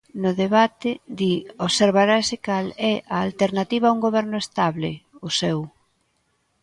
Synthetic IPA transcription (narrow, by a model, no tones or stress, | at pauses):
nʊðeβat̪ɪd̪ioβseɾβaɾaesɪkalɛʔaːlt̪eɾnat̪iβauŋɡoβɛɾnʊest̪aβlɪʊsɛw